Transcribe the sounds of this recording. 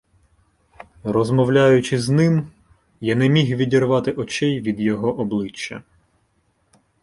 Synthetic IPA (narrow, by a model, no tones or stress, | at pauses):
rɔzmɔwlʲajʊt͡ʃɪznɪm | janɛmʲixʋʲidʲirʋɑt̪ɪʔɔt͡ʃɛjʋʲid̪jɔɦɔʔɔblˠɪt͡ʃːɐ̰